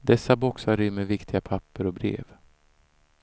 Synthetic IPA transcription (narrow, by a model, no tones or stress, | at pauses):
d̪ɛsːabɔksaɾʏmːɛvɪkt̪ʰɪɡapʰapːəɾɔbɾḛːv